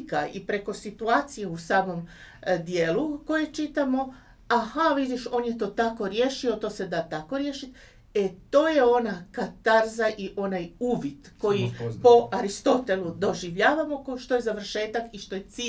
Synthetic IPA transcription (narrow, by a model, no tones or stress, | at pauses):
kaipɾe̞ko̞sit̪uaːt̪sije̞usaːmo̞m | d̪je̞ːluko̞jet͡ʃit̪amo̞ | ahaʋid̪iʃo̞ːnje̞t̪o̞ːt̪ako̞ɾje̞ːʃio̞t̪o̞ːse̞d̪at̪ako̞ɾjeʃit̪ | e̞t̪o̞ːje̞o̞nakat̪aɾzaʔiʔo̞najuːʋid̪ko̞jipo̞aɾist̪o̞t̪e̞lˠud̪o̞ʒiʋʎaːʋamo̞koʃt̪o̞jezaʋr̩ʃe̞ːt̪akiʃt̪o̞jet̪si